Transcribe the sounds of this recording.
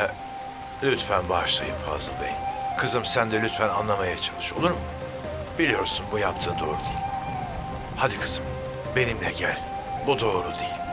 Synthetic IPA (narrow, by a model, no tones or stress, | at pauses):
lʲyt̪fænbaʃlˠajɯmfa̰zlˠɯd̪ˠajilʲkʰɯzɯmsænd̪ɛlʲyt̪fæna̰nlˠamajat͡ʃʰalˠɯʃolˠuɾm | b̥ilʲijo̞ɾsunbujap̚t̪ʰɯːnd̪o̞̰ːɾud̪ejilʲ | had̪ikʰɯzɯm | be̞nimlʲɛ̰ɟælʲ | bud̪o̞ːɾud̪ejilʲ